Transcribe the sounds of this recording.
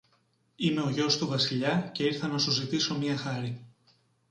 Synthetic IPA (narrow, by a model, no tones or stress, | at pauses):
ime̞o̞ʝo̞st̪uvɐsiʎɐce̞iɾθɐnɐsuzit̪iso̞mɲiɐxɐɾi